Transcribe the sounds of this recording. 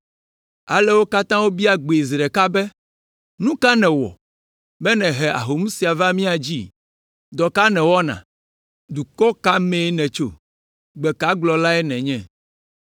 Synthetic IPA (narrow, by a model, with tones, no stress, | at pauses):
a̰˨lɛ˦wo˦ka˦t̪ã˦wo˦bi˦a˦ɡ͡be˨i˨zɾɛ˨ka˦bɛ˦ | nũ˦ka˦nɛ̃˨wɔ̰˨ | mɛ˦nɛ̃˨ɦɛ˨ʔa̰˨ɦo˨mũ˦si˨a˨va˦mĩ˦a˨d͡ʑi˦ | d̪ɔ˨ka˦nɛ̃˨wɔ˦nã̰˨ | d̪u˨kɔ˦ka˦mɛ̃˦nɛ̃˨t͡ʃo̰˦ | ɡ͡bɛ˨ka˦ɡ͡blɔ˨la˦ɛ˦nɛ̃˨ɲɛ̃˦˨